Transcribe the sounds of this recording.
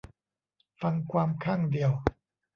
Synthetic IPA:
fa˧ŋkʰwaː˧mkʰaː˥˩ŋdi˧˩əw

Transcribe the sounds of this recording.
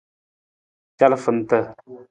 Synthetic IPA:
t͡ʃa˦lfə˨n̩˨tə˦˨

